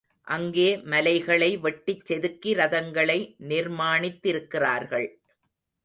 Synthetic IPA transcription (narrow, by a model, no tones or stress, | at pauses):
ʔɐŋɡeːmɐlɐɪɣɐɭɐɪʋɛʈːɪt͡ʃːɛðɯkːiɾɐðɐŋɡɐɭɐɪnɪɾmaːɳɪt̪ːɪɾɯkːɪraːɾɣɐɭ